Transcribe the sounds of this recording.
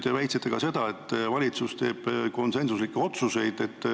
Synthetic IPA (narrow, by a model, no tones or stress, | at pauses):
t̪evæjt̪set̪ːˑekɑse̞d̪̥ɑe̞t̪ːvɑlʲit̪sust̪e̞ːb̥ko̞nse̞nsuslikːeo̞t̪suse̞jd̪̥e̞t̪ː